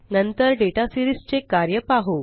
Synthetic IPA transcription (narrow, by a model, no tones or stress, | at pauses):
nənt̪əɾɖeʈasiɾist͡ɕekaɾjəpaɦo